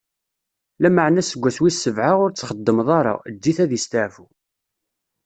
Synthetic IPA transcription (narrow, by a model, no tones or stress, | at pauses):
læməʕnæsəɡʷːæθwisːəvʕaʁʊɾt͡sːχəd̪ːəmðˤɑɾˤa̰d̪ːiθæðist̪aʕfu